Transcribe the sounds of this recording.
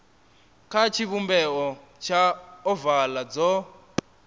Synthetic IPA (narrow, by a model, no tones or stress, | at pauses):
kʰat͡ʃʰiβumbɛɔ | t͡ʃʰaɔvalad͡zɔ